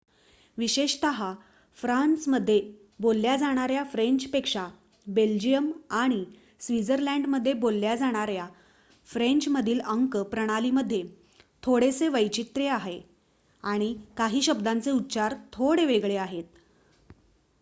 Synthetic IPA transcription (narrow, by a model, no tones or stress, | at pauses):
ʋiɕeɕt̪əɦa | fɾansməd̪ʱːje | bolːjad͡zaɽ̃aɾjafɾeɲt͡ɕpekʂa | beld͡ʑijəmaɽ̃i | sʋid͡zəɾlæ̃ɳɖməd̪ʱːjebolːjad͡zaɽ̃aɾja | fɾeɲt͡ɕməd̪ʱiːləŋkpɾəɽ̃aliːməd̪ʱːje | t̪ʰoɽeseʋəjt͡ɕit̪ɾeaɦe | aɽ̃ikaɦiːɕəbd̪ant͡seut̪ːt͡ɕaɾt̪ʰoɽeʋeɡɭeaɦet̪̚